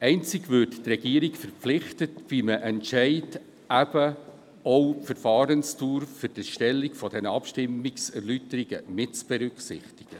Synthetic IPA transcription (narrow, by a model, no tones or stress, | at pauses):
ɛɪnt͡sɪɡvʏːrttrɛɡiːɾikfɛɾpp͡flɪχtətʋiməʔɛntʃɛɪt | æb̥ə | owfəɾfɑːɾənstuːɾfʏɾd̥iʃtɛlːikfɔdɛnəɑpʃtɪmːɪksɛrlytəɾiɡəmɪtt͡sb̥ɛɾʏksɪ̰χtɪ̥ɡ̥ə